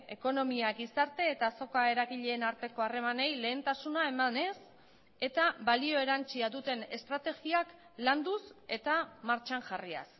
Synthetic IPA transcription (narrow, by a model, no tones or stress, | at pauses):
e̞ko̞no̞miaɡisaɾt̪e̞ːt̪aso̞kae̞ɾaɣiʎe̞ːnaɾt̪e̞ko̞are̞mane̞jle̞ːnt̪asunae̞mane̞s | e̞t̪aβalio̞e̞ɾant͡siaðut̪e̞ne̞st̪ɾat̪e̞ɣiak | land̪use̞t̪amaɾt͡ʃaŋʝaria̰s